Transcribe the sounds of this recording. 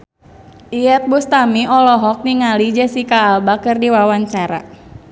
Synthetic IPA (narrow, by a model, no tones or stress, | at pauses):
ʔiɛt̪̚bust̪amiɔlɔɦɔk̚niŋalid͡ʒɛsikaːlbakɨrdiwawaɲt͡ʃaɾa̰